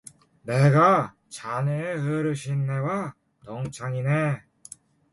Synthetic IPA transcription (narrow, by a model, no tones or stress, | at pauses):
neɡa | t͡ɕaneɯɾɯɕʰinːewa | t̪oŋt͡ɕʰaŋine